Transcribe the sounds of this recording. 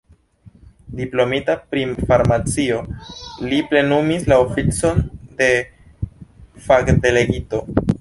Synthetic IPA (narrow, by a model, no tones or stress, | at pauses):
diplo̞mitapɾifaɾmat͡sio̞liple̞numislaofit͡so̞nde̞ | fakde̞le̞ɡito̞